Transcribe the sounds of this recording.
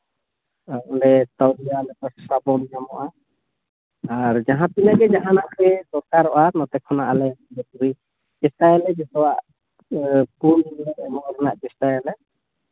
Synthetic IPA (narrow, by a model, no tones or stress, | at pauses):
aʔɔɳɖɛt̪awɾijalɛpɔssabɔmijamɔʔa | aɾd͡ʒaɦãp̪inaɡɛd͡ʒaɦanaʔpɛsɔɾkaɾɔʔanɔt̪ɛkʰːɔnaʔalɛamɔbɛpuɾi | kɛst̪ajɛlɛd͡ʒɛsɔwaʔ | punlɛɛmɔɾɛnaʔkɛstajɛlɛ